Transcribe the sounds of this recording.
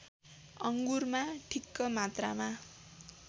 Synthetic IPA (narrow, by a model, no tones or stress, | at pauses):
ʌŋɡurmaʈʰikːʌmat̪ra̰ma